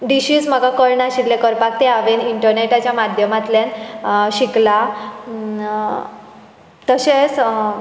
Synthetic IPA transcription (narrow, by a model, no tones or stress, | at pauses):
ɖiɕiːsm̤əɡakəɾɳaɕit̪lekəɾpak̚t̪eaʋeniɳʈəɾneʈat͡ɕjamad̪ʱjəmat̪ljanɕikla | t̪əɕet͡s